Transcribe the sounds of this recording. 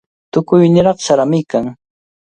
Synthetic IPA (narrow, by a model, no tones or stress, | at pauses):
t̪ʊkʊjnɪɾɑχsaɾamɪkaŋ